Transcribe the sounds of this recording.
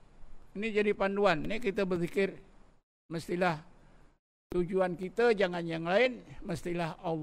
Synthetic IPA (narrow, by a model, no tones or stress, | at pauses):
inid͡ʒadipanduannikit̪abərθikɪr | məst̪ilah | t̪ud͡ʒuankit̪ad͡ʒaŋanjaŋlaɪnməst̪ilahɑlː